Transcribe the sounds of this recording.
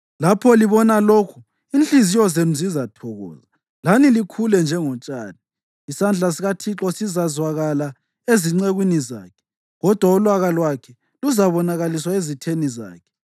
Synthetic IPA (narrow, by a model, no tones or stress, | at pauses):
lapʰɔliβɔnaloːkʰu | inɬizijɔzenuzizatʰɔɣɔ̰ːza | lanilikʰulɛnd͡ʒʱɛŋɔt͡ʃʼaːni | isand͡ɮʱas̬iɣatʰiǁɔsizazwaɣala | eziŋ͡ǀeɣwiniza̰ːkʰɛ̥ | ɣɔd̥ʱwaulwaɣalwakʰɛ | luzaβɔnaɣaliswaezitʰeniza̰ːkʰɛ̥